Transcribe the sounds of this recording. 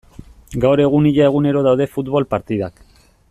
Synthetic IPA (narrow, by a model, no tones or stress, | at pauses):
ɡawɾe̞ɣ̞uniʎae̞ɣ̞une̞ɾo̞ðawðe̞fut̪βolpaɾt̪iðak